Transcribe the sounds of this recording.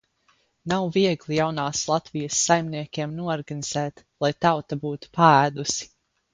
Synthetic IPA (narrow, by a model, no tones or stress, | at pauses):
nawviɛɡlˠijawnaːslˠat̪vijəsːajmniɛkʲiɛmnuɔɔɾɡaniz̥ɛːt̪ | lˠajt̪awt̪abuːt̪u̥paæːd̪usi̥